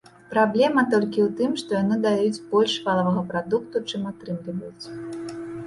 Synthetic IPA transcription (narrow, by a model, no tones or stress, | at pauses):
pɾablʲɛmɐt̪ɔlʲkʲiwt̪ɨmʂt̪ɔjanɨd̪ajut͡sʲbɔlʲʂvalˠɐvɐɣɐpɾad̪ukt̪ut͡ʂɨmat̪ɾɨmlʲivɐjut͡sʲ